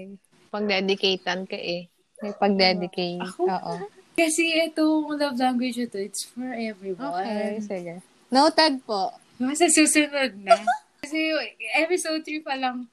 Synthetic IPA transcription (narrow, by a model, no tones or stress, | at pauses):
ɐj | pɐɡ̚d̪ɛd̪ɪkejt̪ɐnkɐʔɪ | mɐjpɐɡ̚d̪ɛd̪ɪkejɐkooʔokɐsɛʔɛt̪oŋlɐvlaŋɡwɪd͡ʒɐt̪oɪt̪sfɔɹʔɛvɹiwoːakɛnsɪɡɛ | nɐʊt̪ɐd̪̚poʔ | basɐsuːsʊnod̪̚nɐ | kɐsɛʔɛpɪsod̪ɹipɐlɐŋ